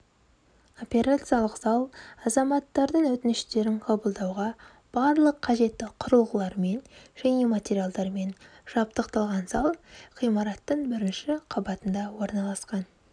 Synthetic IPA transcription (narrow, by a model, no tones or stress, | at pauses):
o̞pʲe̞ɾat̪sɨjalˠəqzɑlˠɑzɑmɑt̪ːɑɾd̪əɴwɵt̪ɪnɪʃt̪e̞ɾɪŋqʰɑbəlˠd̪ɑwʁɑ | b̥ɑɾlˠəqʰːɑʒe̞t̪ːɪqʰʊɾəlˠʁəlˠɑɾme̞nʒ̥æne̞mat̪ʲeɾʲijalˠd̪ɑɾme̞nʒ̥ɑp̚t̪əqt̪ɑlˠʁɑnsɑlˠχijmɑɾɑt̪ːəɴbɪɾɪnʃɪqʰɑbɑt̪ənd̪ɑwo̞ɾnɑlˠɑsqɑn